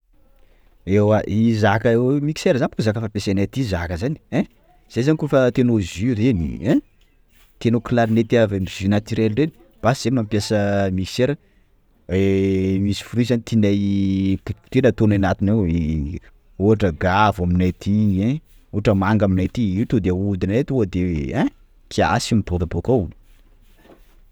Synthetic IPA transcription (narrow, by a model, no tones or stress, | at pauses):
ewaʔizakəemiki̥seɾəzanpukzakəfapesenat̪izakəzani̥ɛ | z̥ejzanikofat̪enozyɾenḭɛ | t̪enokilaɾinet̪iavemiz̥ynat̪iɾelɖ͡ʐeni̥ | b̥asi̥z̥emampjasəmiki̥seɾə | emisi̥fuɾizanit̪inaj | t̪enət̪onanat̪inew | uɦaʈ͡ʂəɡavaminat̪ʰie | uaʈ͡ʂəmaŋɡaminat̪iit̪ud̪eud̪inet̪uad̪ẽ | kʰia̰simiboɾabokauu̥